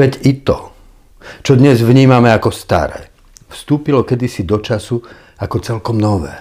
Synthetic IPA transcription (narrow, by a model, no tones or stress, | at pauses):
ɛɟit̪ɔ | t͡ʃɔd̪ɲɛzʋɲiːmamɛakɔst̪a̰ɾɛ̰ː | fst̪uːpilɔkɛd̪isid̪ɔt͡ʃasu | akɔt͡sɛlkɔmnɔʋɛ̰ː